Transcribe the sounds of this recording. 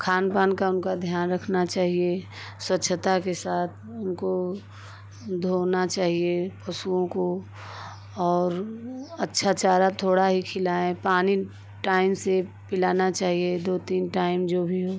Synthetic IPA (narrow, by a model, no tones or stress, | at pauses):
kʰaːnpaːnkaʊnkad̪ʱjaːnɾəkʰnat͡ʃaːɦie | swətːʃʰət̪akesaːt̪̚ʰʊnko | d̪ʱoːnat͡ʃaːɦiepɐsuõko | ɔːɾɐtːʃʰat͡ʃaːɾat̪ʰoːɽaɦikʰɪlaːẽpaːni | ʈaːɪmse | pɪlaːnat͡ʃaːɦied̪oːt̪iːnʈaːɪmd͡ʒoːbʱiɦoː